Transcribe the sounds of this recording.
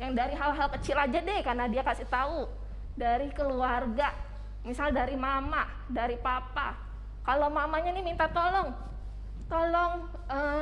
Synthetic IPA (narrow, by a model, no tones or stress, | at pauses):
jaŋdaɾiɦalɦalkət͡ʃilad͡ʒadɛkarnadiakasiht̪au | daɾikəluarɡa | misaldaɾimama | daɾipapa | kalomamaɲanɪmint̪at̪olɔŋ | t̪olɔŋ | ə